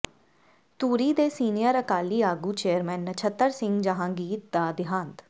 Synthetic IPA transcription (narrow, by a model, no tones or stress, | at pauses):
t̪uːɾiːd̪eːsiːnɪjəɾəkaːliːaːɡuːt͡ʃeːəɾmɛːnːət͡ʃʰət̪ːəɾsɪŋɡd͡ʒəɦãːɡiːt̪̚d̪aːd̪ɪɦãːnt̪